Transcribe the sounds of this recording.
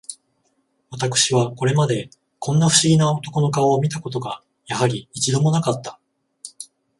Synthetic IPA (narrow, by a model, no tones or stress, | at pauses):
βat̪akɯ̟̥ɕiβako̞ɾe̞mad̪e̞ | kʰõ̞nːaɸɯ̟̥ɕiɡʲinaot̪o̞ko̞no̞kaːmʲit̪ako̞t̪o̞ɡa | jahaɾʲiːt͡ɕid̪o̞mo̞nakat̪ːḁ